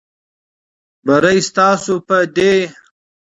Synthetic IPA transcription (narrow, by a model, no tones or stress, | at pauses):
bɐɾɐjst̪ɑːsupɐd̪e